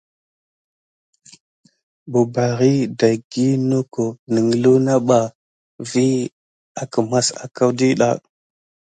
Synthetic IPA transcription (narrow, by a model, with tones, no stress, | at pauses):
bu˨ba˨ɣi˦da˨jɡi˦no˦ko˨nə˨ŋ˨lu˦na˦ɓa˨ | vi˦ | a˨kə˨ma˦sa̰˨ka˦wdi˦ɗa̰˨